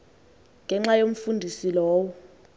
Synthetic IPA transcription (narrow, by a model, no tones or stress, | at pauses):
ŋʱɛŋ͡ǁajom̩fundʱisilɔːwɔ